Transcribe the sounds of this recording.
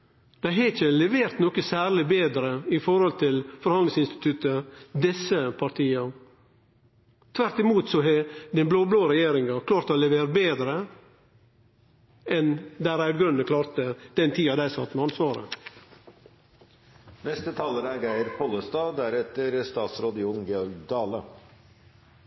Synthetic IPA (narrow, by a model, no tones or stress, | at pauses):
d̪̥æɪɦɛçəlɛʋeːɾt̪nɔkəsæːɾɭɪbeːd̪ɾəɪfɔɾhɔlt̪ʰɪlfɔɾhɑnɪŋsɪnst̪ɪ̥t̪ʰʉt̪əd̪ɛsəpʰɑɾt̪ʰiːɑ | t̪ʰʋæɾt̪ɪmuːt̪sɔɦɛd̪ɛnbloːbloːɾɛjeːɾɪŋɑkʰlɑːɾt̪əolɛʋeːɾəbeːd̪ɾə | ɛnd̪æɾæʉd̪ɡɾʉnːəkʰlɑːɾt̪əd̪̥ɛnt̪ʰiːɑd̪æɪsɑt̪ːmɛɑnsʋɑːɾə̰ | nɛst̪ət̪ʰɑːləɾæɾɡæɪəɾpʰɔlːəst̪ɑːd̪æɾɛt̪əɾst̪ɑːt̪sɾoːd̪ɪʊnɡɛɔɾɡd̪ɑːlə̰